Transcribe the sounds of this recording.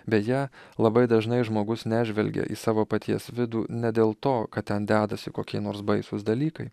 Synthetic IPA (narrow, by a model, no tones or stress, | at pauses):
bʲɛtjælˠɐbɐɪd̪ɐʒnɐɪʒmoːɡʊsnʲæːʒʲʋʲɛlʲɡʲɛ̰ʔḭːsɑːʋoːpɐt̪ʲiɛsʋʲɪd̪uːnʲɛd̪ʲeːlˠt̪oːkɐt̪t̪ʲɛnd̪ʲæːd̪ɐsʲɪkoːkʲiɛnoːɾsbɐɪsʊsd̪ɐlʲiːkɐɪ